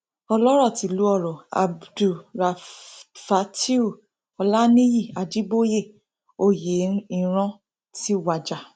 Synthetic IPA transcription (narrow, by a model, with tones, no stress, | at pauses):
ɔ˧lɔ˦ɾɔ˦˨ti˨˦lu˨˦ɔ˦˨ɾɔ˨a̰˨bdu˨ɾa˨fa˨˦ti˦u˦˨ | ɔ˧la˦nĩ˦ji˦˨a˧d͡ʒi˦bo˦je˦˨ | o˦˨je˨˦i˧ɾ̃ɔ̃˦ | ti˦˨wa˨˧d͡ʒa˨